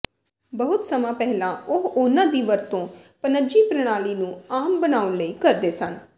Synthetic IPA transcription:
bəɦʊt̪səmãːpɛɦlãːʊɦʊnãːd̪iːʋəɾt̪õːpənəd͡ʒiːpɾəɽ̃aːliːnũːaːmbənaːʊnləiːkəɾd̪eːsən

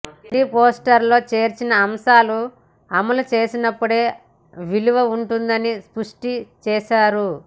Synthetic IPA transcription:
ɾiːpo̞ːsʈɐɾlo̞ːt͡ʃe̞ːɾt͡ʃinɐːmʃaːlu | ɐmɐlut͡ʃe̞ːsinɐpːuɽe̞ː | ʋiluʋɐuɳʈund̪ɐnispuʂʈit͡ʃɛːʃaːɾu

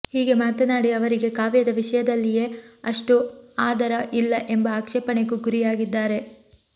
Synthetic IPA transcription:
hiːɡe̞maːt̪ɐnaːɽiɐʋɐɾiɡe̞kaːʋjɐd̪ɐʋiʂɐjɐd̪ɐlːije̞ːɐʂʈuaːd̪ɐɾɐʔilːɐʔe̞mbɐaːkʂɛːpɐɳekuɡuɾijaːɡid̪ːaːɾe̞

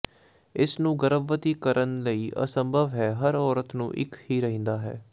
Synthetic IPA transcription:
ɪsnũːɡəɾəbːət̪iːkəɾənləiːʔə̰səmbʱəʋɦɛːɦəɾɔːɾət̪nṵ̃ːʔɪ̰khiːɾəɦĩːnd̪aːɦɛ̰ː

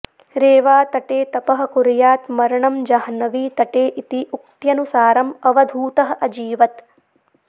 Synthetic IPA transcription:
ɾeːʋaːt̪ɐʈeːt̪ɐpɐɦɐ̆kuɾjaːt̪mɐɾɐɳɐmd͡ʒɐɦɐnɐʋiːt̪ɐʈeːʔit̪iʔuk̚t̪jɐnusaːɾɐmɐʋɐd̪ʱuːt̪ɐɦɐʔɐd͡ʒiːʋɐt̪

